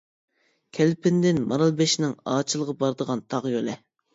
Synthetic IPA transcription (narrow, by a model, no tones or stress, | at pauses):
kʲʰɛlpʰɪnd̪ɪnmɑɾɑlˠbɛʃnɪŋɑːt͡ʃʰilˠəʁɑbɑɾd̪əʁɑnt̪ʰɑʁjolɛ